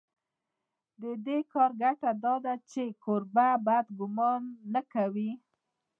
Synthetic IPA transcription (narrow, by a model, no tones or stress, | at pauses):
d̪əd̪ekɑɾɡaʈad̪ɑd̪at͡ʃekoɾbabad̪ɡʊmɑnːakawi